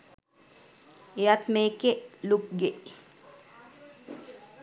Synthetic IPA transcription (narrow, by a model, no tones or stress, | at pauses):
ejat̪meːkeluk̚ɡeʔ